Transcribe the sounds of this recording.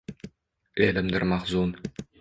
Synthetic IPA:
elɘmd̪ɘ̆ɾmɑχzun

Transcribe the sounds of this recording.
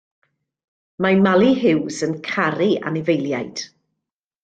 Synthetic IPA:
manmalˠiɦɪwsənkʰaɾia̰nɪvejlˠjajd̥

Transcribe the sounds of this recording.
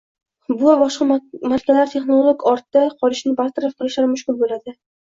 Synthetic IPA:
bʊbɒʃqɑmaɾkʲʰalaɾt̪ʰe̞χnolˠoɡɒɾt̪d̪aqʰɒɾɪʃnɪbaɾt̪ʰaɾafqʰɨlˠɪʃlaɾmʊʃkʲʊlˠbolad̪ɪ

